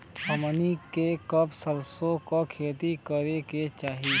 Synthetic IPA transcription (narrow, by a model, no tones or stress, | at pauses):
əmənikekəbsəlsõkokʰeːt̪ikəɾeket͡ʃaːɦi